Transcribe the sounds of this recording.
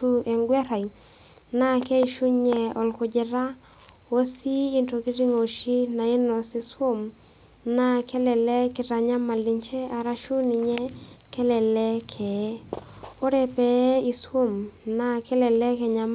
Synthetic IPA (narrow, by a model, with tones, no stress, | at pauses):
u˦ʔɛ˨ŋɡwɛ˦ɾa˨j | na˦kɛ˦i˨ʃu˦ɲɛ˨ɔ˨lkʊ˨d͡ʒɪ˨ɾa˦ | wo˦siː˦nto˨ki˦ɾi˦ŋo˨ʃi˦na˨ɪ˦nɔ˨si˦swo˦m | na˦kɛ˦lɛ˨lɛ˦kɪ˨ɾa˨ɲa˦ma˨li˨ɲt͡ʃɛ˦a˨ɾa˦ʃu˦ni˨ɲɛ˦kɛ˦lɛ˨lɛ˦kʰɛ˨˦ | o˦ɾɛ˨pɛ˨˦i˨swo˦˨mna˦kɛ˦lɛ˨lɛ˦kɛ˨ɲa˨m